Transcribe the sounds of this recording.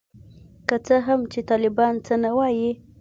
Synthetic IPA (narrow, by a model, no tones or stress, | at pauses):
kət͡səɦamt͡ʃet̪ɑlɪbɑnt͡sənawɑji